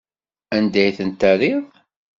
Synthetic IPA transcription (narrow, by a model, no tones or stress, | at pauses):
ænd̪æjθənt̪æɾið